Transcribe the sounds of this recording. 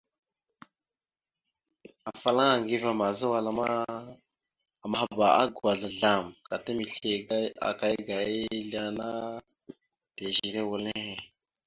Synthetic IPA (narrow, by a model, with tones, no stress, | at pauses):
a˨fa˨la˦ŋa˨ŋɡi˦va˨ma˨zə˦wa˨la˨a˦ | a˨ma˨ɦa˨˦˨ba˨a̰˦ɡa˨ɮa˨ɮa˨mka˨ta˦mi˨ɬe˨ɡa˦a̰˨ka˦jɡa˨je˦ɮa˦na˦ | te˨ʒi˨ɾe˦wu˨le˦˨